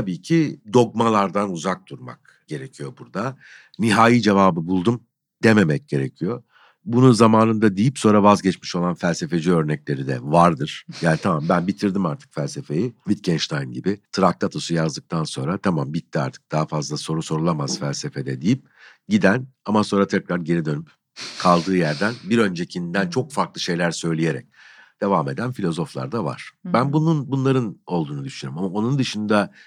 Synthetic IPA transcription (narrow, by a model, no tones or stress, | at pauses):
abiːcʰid̪o̞k̚malˠaɾd̪anuzak̚d̪̥uɾma̰k̚ | ɟ̥e̞ɾecʰijo̞buɾd̪a | niɦaːjid͡ʒe̞vaːbɯbulˠd̪um | d̪̥eme̞mɛc̚ɟe̞ɾecʰijo | bununzamaːnɯnd̪ad̪ijipso̞nɾavazɟɛt͡ʃmiʃo̞lˠanfælʲse̞fe̞d͡ʒiø̞ɾnɛclʲe̞ɾid̪ɛ̰vaɾd̪ɯɾ̥jaːnit̪ʰamambænbit̪ʰiɾd̪imaɾt̪ʰɯ̥kfælʲse̞fe̞jivit̪̚cʰɛnʃt̪ʰajnɟḭbɪt̪ʰɾak̚t̪ʰat̪ʰo̞sujazd̪ɯk̚t̪ʰanso̞nɾat̪ʰamambit̪ːia̰ɾt̪ʰɯ̥k̚d̪̥aɦafazlˠaso̞ɾuso̞ɾulˠamaz̥fælʲse̞fed̪ɛd̪ijip̚ | ɟid̪ænamaso̞nɾat̪ʰɛcɾaɾɟe̞ɾid̪ø̞nyp | kʰalˠd̪ɯːjæɾd̪ænbiɾø̞nd͡ʒecʰinnd̪ænt͡ʃʰo̞kfaɾklˠɯʃe̞jlʲæɾsø̞jlʲije̞ɾɛ̰c̚d̪̥e̞vaːme̞d̪ænfilʲo̞zo̞flˠa̰ɾd̪ava̰ɾ̥bænbununbunlˠaɾɯno̞lˠd̪uːnud̪yʃynɾymamao̞nund̪ɯʃɯnd̪a